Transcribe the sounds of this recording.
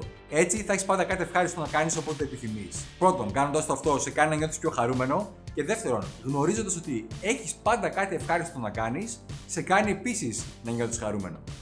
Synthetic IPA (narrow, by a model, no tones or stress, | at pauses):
e̞t͡siθɐeçispɐnd̪ɐkɐt̪ie̞fxɐɾisit̪onɐkɐniso̞pot̪t̪eepiθimispɾo̞t̪o̞ŋɡɐno̞nd̪ɐst̪oɐft̪o̞se̞kɐninɐɲo̞t̪ispço̞xɐɾume̞no̞ | ce̞ðe̞ft̪e̞ɾo̞nɣno̞ɾizo̞nd̪ɐso̞t̪ie̞çispɐnd̪ɐkɐt̪ie̞fxɐɾist̪onɐkɐnisːe̞kɐnie̞pisisnɐɲot̪i̥sxɐɾume̞no̞̰